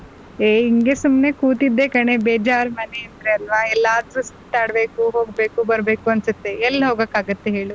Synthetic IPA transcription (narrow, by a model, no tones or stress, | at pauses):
eːiŋɡesumnekuːt̪id̪ːekɐɳebeːd͡ʒaːɾmɐneɐnt̪ɾeɐlʋaːɛlːaːd̪ɾusi̥t̪aːɽbeːkuɦoːɡbeːkubɐɾbeːkuɐnsut̪ːeɛlːɦoːɡoːkaːɡut̪ːeɦeːɭu